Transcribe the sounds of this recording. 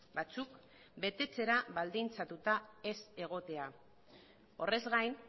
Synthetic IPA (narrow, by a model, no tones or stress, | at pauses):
bat͡suk | be̞t̪e̞t͡se̞ɾaβald̪int͡sat̪ut̪ae̞se̞ɣ̞o̞t̪e̞a | o̞re̞zɣajn